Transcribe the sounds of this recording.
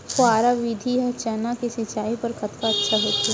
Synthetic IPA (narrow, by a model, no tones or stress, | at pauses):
xʊaːɾaʋid̪ʱiɦɐt͡ʃɛːnakisɪt͡ʃaːipɐɾkɐt̪kaɐtːʃʰaɦoːt̪i